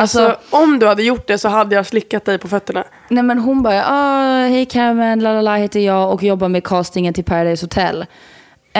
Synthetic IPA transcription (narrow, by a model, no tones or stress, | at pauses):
alsɔɔmd̪ɵhad̪ːəjʊʈ̚ːɖ̪ɛsɔɦad̪ːəjaːslɪkːat̪̚d̪ɛjpʰɔfœt̪ːəɳa | nɛmɛnɦʊnbœɾa̰ʔɑːhɛjkʰæɾmɛnlaːlalaheːt̪əɾjɑːɡɔkjɔbːamɛkʰɑːst̪ɪŋənt̪ʰɪlpʰæɾad̪ajshʊt̪ʰɛ̰lː